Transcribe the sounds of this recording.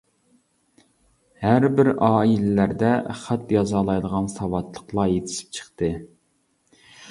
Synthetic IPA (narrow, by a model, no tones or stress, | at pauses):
hæɾbɪɾɑːilɪlæɾd̪ɛχæt̪jɑzɑlˠɑjd̪əʁɑnsɑwɑt̪lˠəqlˠɑjet̪ʰɪ̥ʃi̥p̚t͡ʃʰə̥χt̪ɨ